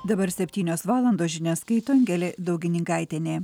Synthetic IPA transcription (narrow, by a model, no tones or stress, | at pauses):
d̪ɐbɐɾsʲɛpʲt̪ʲiːnʲoːsʋɑːlˠɐnd̪oːsʒʲɪnʲɛːskɐɪt̪oːŋʲɡʲɛlʲeːd̪ɒʊɡʲɪnʲɪŋkɑɪt̪ʲenʲeː